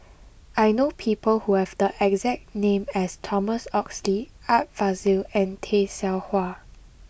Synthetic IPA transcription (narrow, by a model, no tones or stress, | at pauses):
ʔajnopʰipəlhuhɛvdəʔɛkzɛk̚tnẽmɛstʰɔməsɔksli | at̚v̥azilɛ̃ntʰesɛlhwa